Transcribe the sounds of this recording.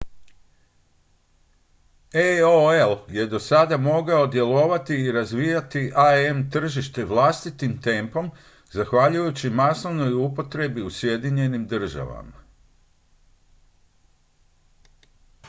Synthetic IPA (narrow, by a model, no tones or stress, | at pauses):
eoelje̞d̪o̞sad̪amo̞ɡao̞d̪je̞lo̞ʋat̪iːɾazʋijat̪iʔaemt̪r̩ʒiʃt̪e̞ʋlˠaːst̪it̪imt̪e̞ːmpo̞m | zaxʋaʎujut͡ɕimasoʋno̞jupo̞t̪ɾe̞biusje̞d̪iɲe̞nimd̪r̩ʒa̰ʋa̰ma̰